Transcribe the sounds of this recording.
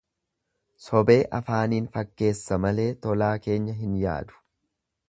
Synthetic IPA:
sɔbe̞ːʔɐfaːniːnfɐkːe̞ːsːɐmɐle̞ːt̪ɔlaːke̞ːɲːɐɦɪnja̰ːd̪ʊ̥

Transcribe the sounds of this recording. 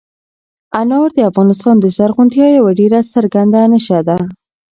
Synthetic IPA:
anɑɾd̪əafɣɑnɪst̪ɑnd̪əzaɾɣunt̪jɑjawaɖeɾasəɾɡand̪anəʃad̪a

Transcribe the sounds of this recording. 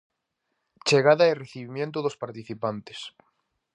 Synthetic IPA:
t͡ʃeɣaðaereθiβimjẽnt̪̬ʊðospaɾt̪iθipant̪e̥s

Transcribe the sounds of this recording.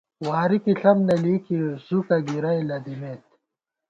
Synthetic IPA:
waːɾikiɬɐmnɐliːkisukɐɡiɾɐjlɐd̪imeːt̪̚

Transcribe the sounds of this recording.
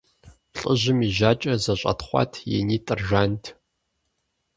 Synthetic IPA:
ɬʼəʑɪmiʒaːt͡ʃʼɐzɐɕʷʼɐ̰tχʷɑ̰tʰjḛniːtʼɨrʒʷaːntʰ

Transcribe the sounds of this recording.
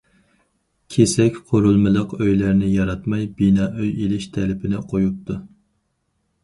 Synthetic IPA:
kʲʰesɛkʲqʰoɾulˠmɨlˠəqøjlæɾnɪjɑɾɑt̪mɑjbinɑːʔøjelɪʃt̪ʰɛlɪpʰɪnɪqʰojup̚t̪ʰu

